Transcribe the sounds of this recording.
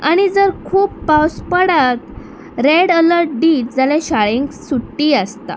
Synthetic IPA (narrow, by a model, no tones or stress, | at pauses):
aɽ̃id͡zəɾkʰuːpːawspəɽat̪ | ɾeɽələɾʈɖiːt̚d͡zaleɕaɭeŋksuʈːiːast̪a̰